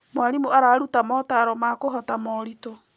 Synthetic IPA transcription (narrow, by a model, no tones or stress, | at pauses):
mwaɾimuaɾaːɾutamɔtaɾɔmakoɦɔtamɔːɾitɔ